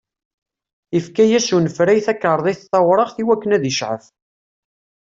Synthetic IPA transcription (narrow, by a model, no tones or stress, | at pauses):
ifkæjæʃunəfɾæjθækːəɾˤðˤiθθɑwɾˤəʁθiwækːənæðiʃʕə̰f